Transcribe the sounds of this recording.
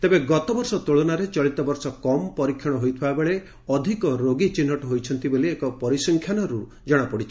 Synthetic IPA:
t̪ebeɡɔt̪ɔbɔɾsɔt̪uɭɔnaɾet͡ʃɔɭit̪ɔbɔɾsɔkɔmpɔɾikʰjɔɽ̃ɔɦojt̪ʰibabeɭe | ɔd̪ʱikɔɾoɡit͡ʃinːɔʈɔɦojt͡ʃʰɔnt̪iboliekɔpɔɾisɔŋkʰjanɔɾu | d͡ʒɔɽ̃apɔɽit͡ʃʰi

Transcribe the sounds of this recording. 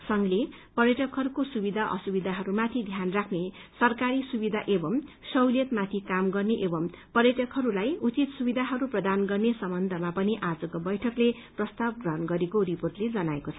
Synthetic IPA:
sʌŋlepʌrjʌʈʌkɦʌɾukosubid̪ʱaʔʌ̰subid̪ʱaɦʌɾumat̪ʰid̪ʱjanrakʰne | sʌrkaɾisubid̪ʱaʔebʌmsʌwljʌt̪mat̪ʰikamɡʌrneʔebʌmpʌrjʌʈʌkɦʌɾulajut͡sit̪subid̪ʱaɦʌɾuprʌd̪anɡʌrnesʌmbʌnd̪ʱʌmapʌniʔad͡zʌkobʌjʈʰʌkle | prʌst̪ab̚ɡrʌɦʌnɡʌɾekoriporʈled͡zʌnaekot͡sʰʌ

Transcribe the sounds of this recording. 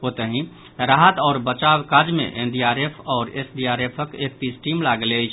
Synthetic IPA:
ot̪əɦĩ | ɾaɦət̪ɔʊɾbət͡ʃawkad͡ʒmḛʔenɖiaɾepʰɔːɾesɖiaɾepʰəkek̚t̪isʈimlaɡələjt͡ʃʰ

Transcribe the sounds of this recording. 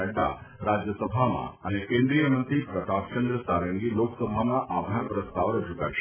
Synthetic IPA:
əɖa̰ | ɾad͡ʒjəsəbʱamã̰ənekẽnd̪ɾijəmə̃nt̪ɾipɾət̪ak̚t͡ʃə̃nd̪ɾəsaɾəŋɡiloksəbʱamãʔabʱaɾpɾəst̪aʋɾəd͡ʒʱukə̰ɾʃe

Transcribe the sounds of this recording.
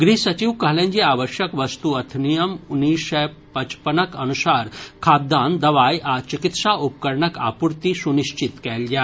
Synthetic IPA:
ɡɾisɐt͡ʃiʋkɐɦlẽɲd͡ʑiaːʋəʃjəkʋəst̪uɐt̪ʰnijəmunːiːʃɛ | pɐt͡ʃpənəkɐnusaːɾkʰaːd̪ãnd̪ɐʋaːjʔat͡ʃikit̪saʔup̚kəɾɳəka̰puɾt̪isuniʃt͡ʃit̪kɛld͡ʒaːt̪

